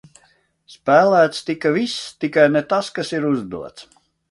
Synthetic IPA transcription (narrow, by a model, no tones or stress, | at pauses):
spæːlæːt̪st̪ikavist̪ikajnɛt̪askasiɾuzd̪ṵɔt̪s